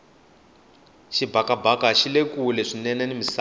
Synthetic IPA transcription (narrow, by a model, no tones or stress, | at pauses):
ʃibʱakabʱakaʃilekulɛʂinɛnɛnimisa